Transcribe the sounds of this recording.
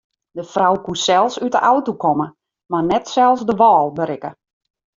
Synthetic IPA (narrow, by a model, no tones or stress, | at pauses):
dəfrawkusɛlˠsytəʔawtokɔmə | marnɛtsɛlˠsdəʋɔːlˠbəɾɪkə